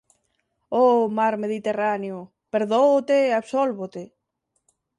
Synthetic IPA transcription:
omaɾmeðit̪eraneʊ | peɾðoot̪eaβsolβot̪e

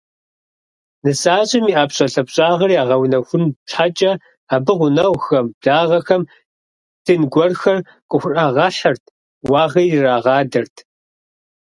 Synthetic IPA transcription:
nɨsaːɕʼɪmiːʔaːpɕʼɐɬɐpɕʼaːʁɐriaːʁɐwnɐxʷʊnʈ͡ʂʰħat͡ʃʼɐ | aːbɨʁʷʊnɐwxɐmbɮaːʁɐxɐm | d̥ɨnɡʷɔrxɐr | kʷʼʊxʷʊraːʁɐɬɐrtʰ | wɑːʁɐjraːʁɑːdɐrtʰ

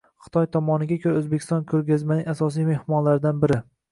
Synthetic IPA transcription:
χɨ̥t̪ʰɒjt̪ʰɒmɒnɪɡʲakʰʲɵɾaɵzbekʲʰɪst̪ɒnkʰɵɾɡʲazmanɪŋasɒs̬ijme̞hmɒnlaɾɪd̪anbɪɾɪ

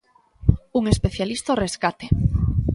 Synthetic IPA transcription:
uŋespeθjalist̪oreskat̪e̥

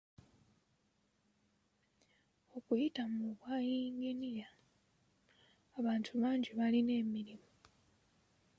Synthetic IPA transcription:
o̞kujitamuβwaːjiːŋɡiniɾa | βaːntʰuβaːɲɟiβaline̞ːmiɾimo

